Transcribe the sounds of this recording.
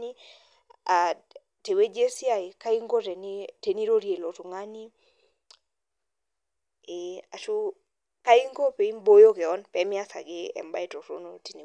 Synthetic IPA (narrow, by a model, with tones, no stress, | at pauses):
ni˦ | a˨ | te˨we˦d͡ʒe˦si˦a˨i˨ka˦i˦ŋɡo˦tɛ˨ni˦te˨ni˦ɾo˦ɾje˨lo˨tu˨ŋa˦ni˦ | a˨tu˦ | ka˦i˦ŋɡo˦pe˨i˦mbo˦jo˦kɛ˨ɔ˦npɛ˨mi˦a˦sa̰˨ɡɪ˦ɛ̰˨mba˦i˦tɔ˨to̰˦no˦ti˨ni˨